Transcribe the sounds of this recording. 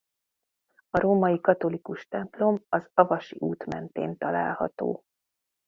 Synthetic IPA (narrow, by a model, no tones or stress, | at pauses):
ɒɾoːmɒjikɒt̪o̞likuʃt̪ɛmplo̞mɒzɒvɒʃiʔuːt̪mɛnt̪ḛːnt̪ɒla̰ːlhɒ̰t̪o̰ː